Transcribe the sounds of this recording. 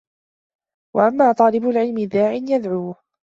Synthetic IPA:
waʔamːaːt̪ˤɑːlɪbʊlʕɪlmɪðaːʕɪnjad̪ʕuːh

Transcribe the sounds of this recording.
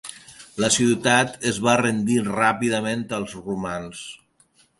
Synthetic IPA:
ləsiwt̪at̪əzβarend̪irapiðəmẽnt̪əlˠzrumans

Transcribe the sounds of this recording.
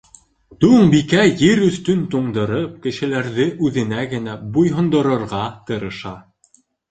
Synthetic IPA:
t̪uɴbikæjɘɾɵ̆θt̪ɵnt̪uɴd̪ɤ̆ɾɤp̚kɘ̆ʃɘ̆læɾðɘʔʉðɘ̆næɡɘ̆næbujɦŏnd̪ɤ̆ɾɤ̆ɾʁɑt̪ɤ̆ɾɤ̆ʃɑ

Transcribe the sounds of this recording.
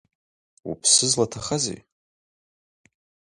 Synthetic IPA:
ṵpʰsɨzlatʰaχazḛ

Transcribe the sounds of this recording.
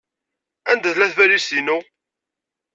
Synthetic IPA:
ænd̪æθlæθvælisinu

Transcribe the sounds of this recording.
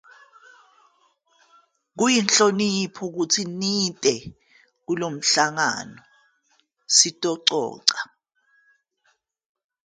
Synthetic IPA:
k̬ujinɬonipʰɔk̬utʰinitʼɛ | k̬ulom̩ɬaŋa̰nɔ | sitʼɔǀɔ̰ːǀa

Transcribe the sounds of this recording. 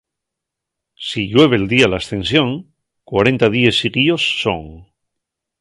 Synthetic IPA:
siʎwe̞β̞eld̪ialaːst̪ẽ̞nsjo̞ŋ | kwaɾe̞nt̪aðiesiɣio̞sːo̰ŋ

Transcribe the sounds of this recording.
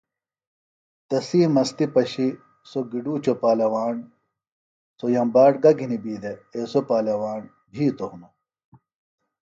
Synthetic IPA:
t̪ɐsiːmɐst̪ipɐɕi | soɡiɖuːt͡ɕopaːlɐwaːn | sojɐmbaːʈɡɐɡʱinibiːd̪eesopaːlɐwaːn | bʱiːt̪ounɐ

